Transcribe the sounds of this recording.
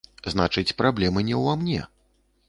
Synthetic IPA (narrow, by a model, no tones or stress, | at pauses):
znat͡ʂɨt͡sʲpɾablʲɛmɨnʲɛwamnʲɛ̰